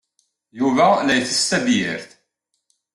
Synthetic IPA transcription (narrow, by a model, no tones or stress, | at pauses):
juvælæjθəst̪æðjɪ̰ɾθ